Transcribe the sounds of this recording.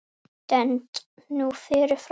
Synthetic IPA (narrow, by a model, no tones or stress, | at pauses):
d̥ɛnt | nuːfɪɾəf